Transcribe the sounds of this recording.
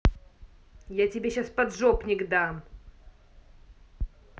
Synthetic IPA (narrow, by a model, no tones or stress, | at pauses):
jatʲɪbʲeɕaspɐd̪ʐopnʲɪɡd̪am